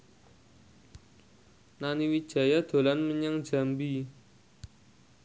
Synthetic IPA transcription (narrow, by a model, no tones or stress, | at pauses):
naniwi̥ʒ̥a̤jad̪̥o̤lanməɲaŋ̥d͡ʒ̥a̤mbi